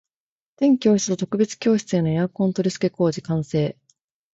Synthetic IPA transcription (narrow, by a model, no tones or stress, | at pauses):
t̪ẽ̞ŋkʲo̞ːçi̥t͡sɨ̥t̪ot̪o̞kɯ̟be̞t͡sɨ̥kʲo̞ːɕi̥t͡sɨẽno̞jakõ̞nt̪o̞ɾʲisɨ̥ke̞ko̞ːd͡ʑikãɰ̃se̞ː